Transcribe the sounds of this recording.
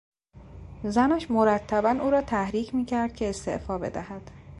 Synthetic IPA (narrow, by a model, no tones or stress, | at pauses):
zænæʃmo̞ɾæt̪ʰːæbænuːɾɒːt̪ʰæhɾiːcʰmiːcʰæɾd̪̚cʰe̞ːst̪e̞̰ʔfɒːbe̞̰d̪æ̰hæd̪̥